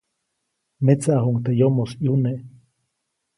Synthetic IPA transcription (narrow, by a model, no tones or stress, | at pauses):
met͡saʔɦuŋt̪ejomosjuneʔ